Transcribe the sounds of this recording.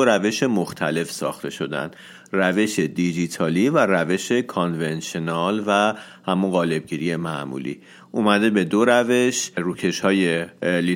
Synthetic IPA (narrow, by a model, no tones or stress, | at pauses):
oɾæve̞ʃe̞moxt̪ʰæle̞fsɒ̰ːxt̪ʰe̞ʃo̞d̪æ̰nd̪̥ | ræve̞ʃed̪id͡ʒit̪ʰɒːliværæve̞ʃe̞kʰonvenʃenɒlvæ | hæmunɢɒːle̞b̚ɟiɾije̞mæʔmṵlḭː | ʔumæd̪e̞be̞d̪oɾæve̞ʃɾuːcʰe̞ʃhɒːje̞li